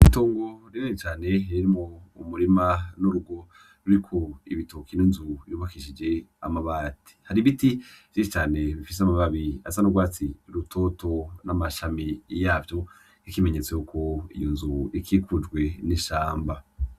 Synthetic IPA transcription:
itoːŋɡo̞ɾiɾonit͡ʃaːne̞iɾimoumuɾimanuɾuɡo̞ | ɾuɾikʰoḭβitʰokininzuiɾuβakiʃid͡ʒe̞a̰maβaːti̥haɾiβitiv̥jeʃit͡ʃaːne̞βifis̬eamaβaβia̰sanuɡwaːt͡siɾutʰo̞to̞namaʃamijaːvjo̞ | ikime̞ɲe̞t͡sejukʰo̞ḭjonzuikʰikʰud͡ʒɡwe̞niʃaːmba

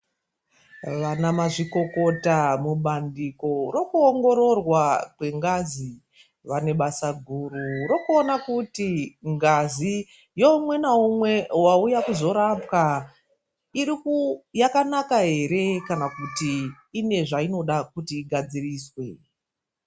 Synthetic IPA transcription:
ʋanamaʐiko̞ko̞tamuɓandiko̞ro̞kuoŋɡo̞ɾo̞rwakwe̞ŋɡazi | ʋane̞ɓasaɡʱuːrurokuonakutiŋɡazi | jo̞umwe̞naumwe̞waujakuzo̞ɾapka | iɾikujakanakaɦe̞ɾe̞kanakutiː | ne̞ʐaino̞ɗakutiːɡʱad͡ziriːswe̞

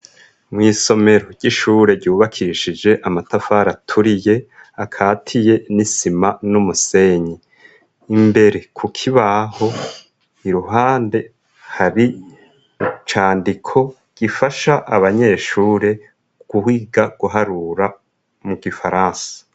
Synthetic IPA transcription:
mŋiːso̞me̞ɾoɟɟ̥iʃuːɾe̞ɾɟuːβakʰiʃid͡ʒe̞ʔamatafaɾatʰuɾije̞ | akʰaːtʰije̞nisimanumuse̞ɲiː | mbe̞ɾe̞kʰukʰiβaːho̞ | iɾuɦaːnde̞ | haɾi | t͡ʃaːndikʰo̞ | ɡ̥ifaʃaʔaβaɲe̞ːʃuːɾe̞ | ɡ̥uhwiːɡaɡ̥uɦaɾuɾa | muɡifaɾaːnsḁ

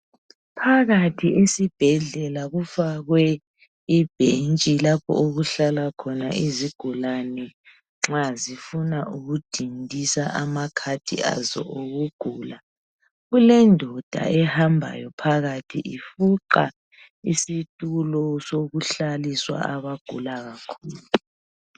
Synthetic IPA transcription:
pʰaɣatʰiisib̥ʱɛɮɛlaɣufaɣwɛ | ib̥ʱent͡ʃʼilapʰɔ̰oɣuɬalakʰɔna̰ʔiziɡ̥ʱulanɛ | ŋ͡ǁazifunaʔuɣud̥ʱindʱisaʔamakʰatʰḭa̰zɔ̰ʔoɣuɡ̥ʱuːla | ɣulɛndʱɔd̥ʱa̰ɛhambʱa̰jɔpʰaɣatʰiʔifuǃa | isitʼulɔsoɣuɬaliswa̰aβaɡ̥ʱṵlaɣakʰuːlu

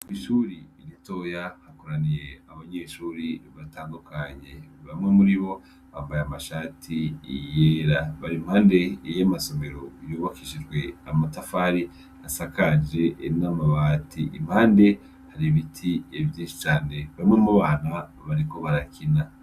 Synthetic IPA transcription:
iʃuɾiːɾito̞jahakoɾanijeaβaɲe̞ːʃuːɾiβataːndukʰaɲe̞βamŋe̞muɾiβo̞ | βa̰ːmbajamaʃaːtʰiijeɾaβaɾimhaːnde̞jamaso̞me̞ɾo̞juːβakiʃid͡ʒɡwe̞amatafaɾi | hasakad͡ʒe̞ʔːnamaβaːtʰiʔḭm̥haːnde̞ | haɾiβitʰievjiːnʃi̥t͡ʃaːne̞βamŋe̞muβaːna | βaɾiko̞βaɾakina

